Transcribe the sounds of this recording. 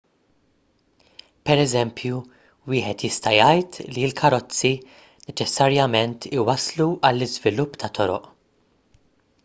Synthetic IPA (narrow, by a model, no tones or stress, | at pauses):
pɛɾɛzɛmpʰju | wɪːħɛt̪jɪst̪ɐjɐjt̪lilkʰɐɾɔt͡sːi | nɛt͡ʃɛsːɐɾjɐmɛnt̪ʰɪwɐsluʔɐlːɪzvɪlʊpːt̪ɐt̪ɔɾɔ̰ʔ